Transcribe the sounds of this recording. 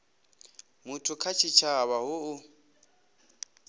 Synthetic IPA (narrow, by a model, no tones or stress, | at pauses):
mʊtʰʊkʰat͡ʃʰit͡ʃʰaβaɦʊʊ